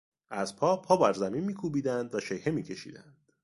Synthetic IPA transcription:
ʔæzpʰɒːpʰɒːbæɾzæminmiːkʰuːbiːd̪ænd̪væʃejhemiːcʰe̞ʃḭːd̪æ̰nd̪̥

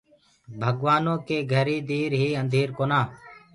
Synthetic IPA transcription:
bʱəɡʋaːnõːkeːɡʱəɾiːd̪iːɾɦiːənd̪ʱiːɾkoːnaː

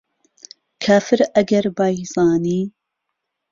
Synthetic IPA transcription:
kʰaːfɨɾɐɡɐɾbaːjzɑːniː

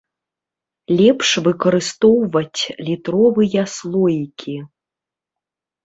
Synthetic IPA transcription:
lʲɛpʂvɨkɐɾɨst̪ɔwvɐt͡sʲlʲit̪ɾɔvɨjɐslˠɔjikʲʰi

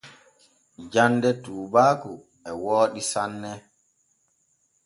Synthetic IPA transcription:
d͡ʒandɛtuːbaːku | ɛwoːɗisanːɛ

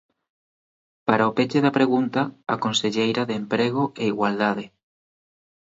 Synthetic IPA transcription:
paɾaopet͡ʃeðapɾeɣunt̪aːkonseʎejɾaðeːmpɾeɣ̞oʔeiɣwald̪aðɪ

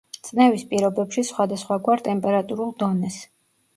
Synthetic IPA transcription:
t̪sʼnɛvispʼiɾɔbɛpʃisχwad̪asχwaɡwaɾt̪ʼɛmpʼɛɾat̪ʼuɾulˠd̪ɔnɛs

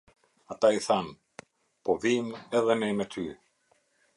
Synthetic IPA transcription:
at̪aiθan | pɔðimɛðɛnɛmɛt̪ʰy

